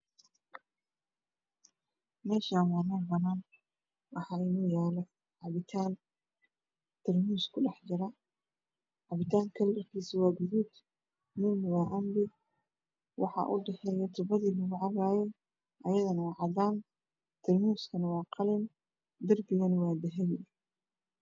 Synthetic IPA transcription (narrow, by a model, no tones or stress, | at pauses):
mɛːʃaːwaːnɐːbɐnaːn | wɑħɑːɪnɔːjaːlɔ | ʕɑβɪt̪ʰaːn | t̪ʰɪrmuːskʰʊɖɑħd͡ʒɐɾɐ | ʕɑβɪt̪ʰaːŋkʰɐlːɐrkʰiːsɪwɑːɡʊðuːd̪ | muːmwɑːʔɐmbɪ | wɑ̰ħɑ̰ʔʊ̰ɖɛħɛjɐt̪ʰʊbɐðiːlʊɣʊʕɑɣaːjɛ | ʔɐjɐðɐnɐwɑːʕɑdaːn | t̪ʰɪrmuːskʰɐnɐwɑːqɑlɪn | d̪ɐrbɪɣɐnwɑːd̪ɛɦɛjɪ